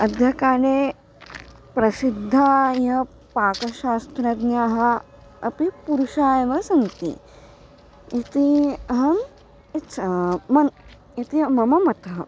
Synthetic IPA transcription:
ɐd̪ʱjɐkaːne | pɾɐsid̪ʱːajɐ | paːkɐʃaːst̪ɾɐɡnjaːɦɐ | ɐpipuɾuʃaːjɐʋɐsɐnt̪ḭ | it̪iɦɐm | itt͡ʃʰɐmɐn | it̪imɐmɐmɐt̪ʰɐɦ

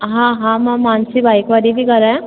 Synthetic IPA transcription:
ɦãɦãmãmaːnsibaːikʋaːlibʱikɐɾaɛ̃

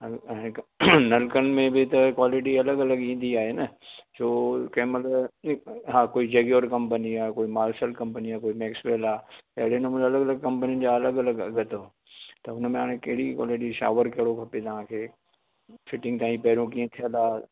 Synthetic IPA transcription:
ɐɛ̃ːnɐlkənɪ̆mẽbɪt̪ɐkwaːlɪʈ̬iɐləɡɐləɡĩːn̆d̪iaːɦeːnɐsʰoːkɐɦməl | ɦãːkoːid͡ʑɐɡoːɾkɐ̃mpəniaːkoːimaːlʃəlkɐ̃mpəniaːkoːimɛːksʋeːlaːt̪ːɦɪɽenmũɐləɡɐləɡ̚kɐ̃mpənijən̆d͡ʑaːɐləɡɐləɡɐ̰ɡɐt̪o | t̪ɐʊnmẽɦaːɽ̃ẽkɐɦɪɽikwa̰ːlɪʈiʃa̰ːʋəɾkɐɦɪɽokʰɐpet̪ɐʋ̤ãkʰeː | fɪʈɪ̃ŋɡ̚t̪aːĩpɛɦɾokiːə̃t̪ʰijəlaː

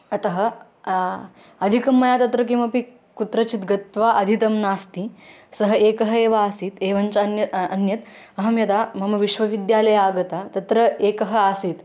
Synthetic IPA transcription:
ɐt̪ɐɦɐ̆ | ɐd̪ʱikɐmːɐjaːt̪ɐt̪ɾɐk̬ĩw̃ʋɐpi | kut̪ɾɐt͡ɕit̪ɡɐt̪ʋaʔɐd̪ʱit̪ɐmnaːst̪i | sɐɦɐeːkɐɦɐeːʋaːsiːt̪eːʋɐnt͡ʃɐnjɐɐnjɐt̪ | ɐɦɐmjɐt̪amɐmɐʋiʃʋɐʋid̪jaːlɐjaːɡɐt̪at̪ɐt̪ɾɐeːkɐɦɐ̆asiːt̪

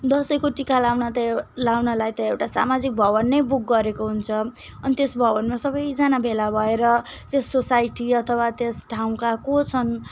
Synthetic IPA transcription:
d̪ʌsʌjkoʈikalawnʌt̪lawnʌlajt̪ʌewʈasa̰mad͡zik̚bʱʌβʌnːʌjbuk̚ɡʌɾekoɦunt͡sʰʌ | ʌnit̪esbʱʌβʌnmasʌbʌjd͡zanabʱelabʱʌeɾʌ | t̪esːosajʈiʌt̪ʰʌwat̪esʈʰaw̃kakot͡sʰʌn

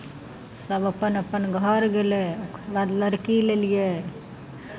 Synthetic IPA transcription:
səbəpənəpənɡʱəɾɡeleokʰɾbad̪ləɾkilelije

